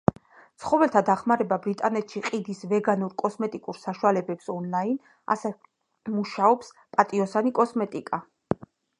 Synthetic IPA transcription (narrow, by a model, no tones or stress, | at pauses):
t̪sʰχɔvɛlt̪ʰad̪aχmaɾɛbabɾit̪ʼanɛt̪ʰʃiqʼid̪isvɛɡanuɾkʼɔsmɛt̪ʼikʼuɾsaʃualɛbɛpsɔnlain | a̰sɛ | muʃaɔps | pʼat̪ʼiɔsanikʼɔsmɛt̪ʼikʼa